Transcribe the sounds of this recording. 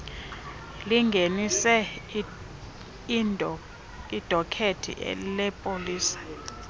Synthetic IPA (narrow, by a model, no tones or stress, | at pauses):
liŋɡʱenisɛ | nʱʼ | id̥ʱɔkʰetʰḭʔɛ̰lɛpʼoliːsḁ